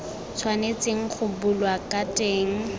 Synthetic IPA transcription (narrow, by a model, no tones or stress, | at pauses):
t͡sʰwanet͡sʼeŋ̩χʊbʊlwakʼatʼeːŋ̩